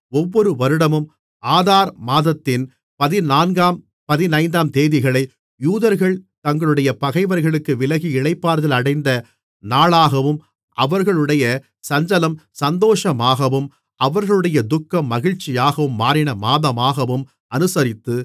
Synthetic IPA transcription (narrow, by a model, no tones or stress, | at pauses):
ɔʋːɔɾɯʋɐɾɯɽɐmɯm | aːðaːɾmaːðɐt̪ːɪn | pɐðɪnaːnɡaːm | pɐðɪnɐɪnd̪aːmt̪eːðɪɣɐɭɐɪ | juːðɐɾɣɐɭt̪ɐŋɡɐɭɯɽɐjɐpɐɣɐɪʋɐɾɣɐɭɯkːɯʋɪlɐɣiɪɭɐɪpːaːɾðɐlɐɽɐɪnd̪ɐ | naːɭaːɣɐʋɯm | ʔɐʋɐɾɣɐɭɯɽɐjɐ | sɐɲd͡ʒɐlɐmsɐnd̪oːʂɐmaːɣɐʋɯm | ɐʋɐɾɣɐɭɯɽɐjɐd̪ʊkːɐmːɐɣɪɻt͡ʃːɪjaːɣɐʋɯmːaːɾɪɳɐmaːðɐmaːɣɐʋɯm | ɐnɯsɐɾɪt̪ːɯ